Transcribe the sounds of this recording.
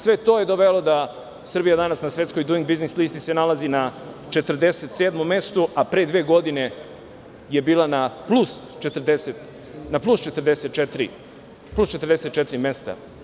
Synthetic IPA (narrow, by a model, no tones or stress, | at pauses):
sʋe̞t̪o̞ːjed̪oʋelo̞d̪a | sr̩bijad̪anasnasʋe̞t̪sko̞jd̪uiŋɡ̚biznislist̪ise̞nalazina | t͡ʃe̞t̪r̩d̪e̞set̪seːd̪mome̞st̪uʔapɾed̪ʋeːɡo̞d̪ine̞ | je̞biːlˠanaplust͡ʃet̪r̩d̪eset̪ | naplˠust͡ʃe̞t̪ɾd̪eset̪̚t͡ʃet̪ɾḭ | plˠust͡ʃe̞t̪ɾd̪ese̞t̪̚t͡ʃet̪ɾime̞st̪a̰